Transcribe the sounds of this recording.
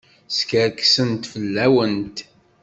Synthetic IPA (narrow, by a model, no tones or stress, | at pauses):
skəɾksənt̪fəlːæwənt̪